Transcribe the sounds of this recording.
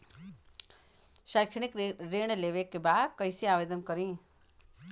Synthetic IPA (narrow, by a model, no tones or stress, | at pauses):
ʃajkʂəñikɾeːɳ̃leʋekːebaːd̪kəisiaːʋed̪ənkəɾĩː